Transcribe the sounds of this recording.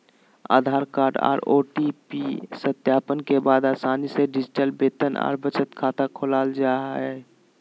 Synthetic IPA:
a̰ːd̪ʱaːɾkaːɾɖa̰ːɾoːʈipisət̪jaːpənkebaːd̪aːsaːniseɖɪd͡ʒɪʈəlbeːt̪əna̰ːɾbət͡ʃət̪kʰaːt̪akʰolaːld͡ʒaɛ

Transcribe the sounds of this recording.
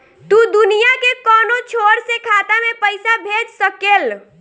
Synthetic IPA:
t̪uːd̪ʊnijakekɔːnot͡ʃʰoːɾsekʰaːt̪amẽpəɪsabʱeːd͡ʒsəkeːl

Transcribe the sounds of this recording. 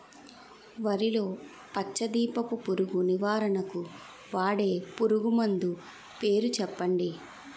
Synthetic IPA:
ʋɐɾilo̞ː | pɐt͡ʃːɐd̪iːpɐpupuɾuɡuniʋaːɾɐnɐku | ʋaːɽe̞ːpuɾuɡumɐnd̪u | pe̞ːɾut͡ʃɛpːɐɳɖi

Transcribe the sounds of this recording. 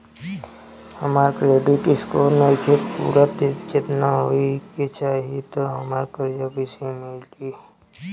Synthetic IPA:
həmaːɾkɾeːɖɪʈɪskoːɾnekʰepṵːɾət̪t͡ʃet̪naɦoiket͡ʃaːɦiet̪oɦəmaːɾkəɾd͡ʒabɪsẽmɪlɡi

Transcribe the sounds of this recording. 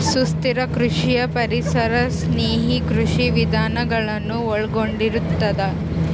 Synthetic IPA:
sust̪iɾɐkɾuʂijɐpɐɾisɐɾɐsneːɦikɾuʂiʋid̪ʱaːnɐɡɐɭɐnːuɔɭɡoɳɖiɾut̪ːɐd̪ɐ

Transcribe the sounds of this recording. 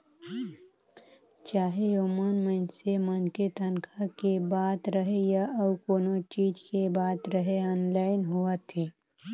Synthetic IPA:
t͡ʃaːɦejomaːnmə̃nsemɐnket̪ʰənkʰakebaːt̪ɾɐɦejaʔɐkoːnot͡ʃiːd͡ʒkebaːt̪ɾɐɦeɔːnlaːɪnɦuat̪ʰeː

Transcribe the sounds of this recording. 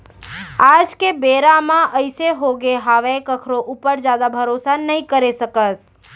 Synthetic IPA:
ad͡ʒkebeɾamãʔəɪseɦoɡeɦaʋekəkʰɾoʔupəɾd͡ʒad̪abʱəɾosanəikəɾesəkəs

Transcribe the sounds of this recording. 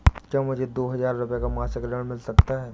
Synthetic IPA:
kjãːmʊd͡ʒʱed̪oːɦɐzaːɾːʊpjekamaːsɪkɾəɽmɪlsɐkt̪aɦɛː

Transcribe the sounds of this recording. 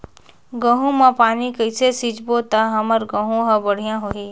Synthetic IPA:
ɡə̃ɦũmãpaːnikəɪsesid͡ʒbot̪aɦɐməɾɡə̃ɦũɦãbəɽ̤ijãɦoɦi

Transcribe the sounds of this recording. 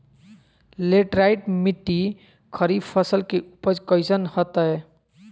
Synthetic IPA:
leʈɾaɪʈmɪʈːi | kʰəɾibpʰəsəlkeupəd͡ʒkəjsənhət̪aɦɛ

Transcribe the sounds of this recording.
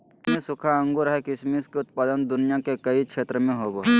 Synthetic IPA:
mẽsʊkʰaə̃ŋɡuɾɦɛkɪʃmiskeʊt̪̚paːd̪ənd̪ʊnɪjakekɐikʃʰeːt̪ɾəmẽɦoːbo

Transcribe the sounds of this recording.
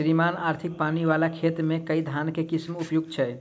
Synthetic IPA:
ɾimanaːɾt̪ʰɪk̚paniʋalakʰet̪ɾmẽkəid̪ʱankekismupjuɡ̚t͡ʃʰɛ

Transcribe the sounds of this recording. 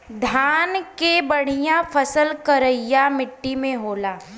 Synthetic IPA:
d̪ʱaːnkebɐɽ̤ijãfʰəsəlkəɾəɪjamɪʈːimẽɦoːlaː

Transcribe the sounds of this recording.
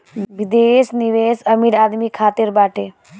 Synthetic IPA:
ʋid̪eːsniʋeːsɐmiɾaːd̪mikʰaːt̪iɾbaːʈeː

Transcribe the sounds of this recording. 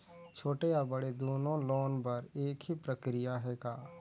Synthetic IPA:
t͡ʃʰoːʈeabəɽed̪oːnõloːnbɐɾeːkɦipɾəkɾɪjaɦɛːkaː

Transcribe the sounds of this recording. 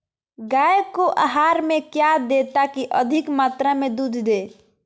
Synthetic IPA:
ɡajekoʔaɦaɾmẽkjad̪et̪akiʔəd̪ʱikmat̪ɾamẽd̪ud̪ʱd̪e

